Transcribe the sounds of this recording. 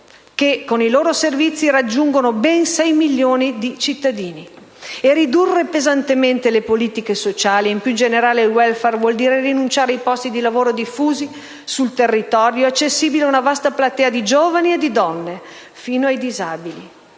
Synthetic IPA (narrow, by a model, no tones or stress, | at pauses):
kekːoniloːɾoservit̪sːiɾad͡ʒːuŋɡonobɛnsɛjmiljoːnid̪it͡ʃit̪ːad̪iːni | erid̪urːepezant̪ement̪elepoliːt̪ikesot͡ʃaːliimpjud͡ʒeneɾaːlewɛlfɛrvwɔld̪iːɾerinunt͡ʃaːɾejpɔst̪id̪ilavoːɾod̪ifuːzi | sult̪erːit̪ɔɾjoat͡ʃːesːiːbileaunavast̪aplat̪ɛːad̪id͡ʒoːvanied̪id̪ɔnːe | fiːnoajd̪izaːbili